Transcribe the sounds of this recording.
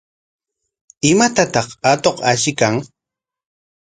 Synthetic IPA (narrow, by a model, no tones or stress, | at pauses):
ɪmat̪at̪ɑχat̪oqaʃɪkaŋ